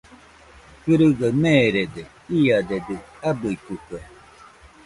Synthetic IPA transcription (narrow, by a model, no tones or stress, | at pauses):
kɯɾɯɡamẽɾed̪e | iad̪ed̪ɯabɯik̪ukue